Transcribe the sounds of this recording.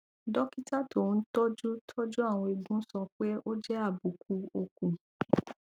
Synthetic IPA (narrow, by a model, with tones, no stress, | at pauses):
dɔ˦ki˦ta˦˨to˨˧n̩˦tɔ˦d͡ʒu˦tʰɔ˦d͡ʒu˦a˦˨w̃ɔ̃˧i˧ɡ͡bũ˦sɔ˧k͡pe˦o˦d͡ʒɛ˦a˦˨bu˨ku˧o˧kũ˨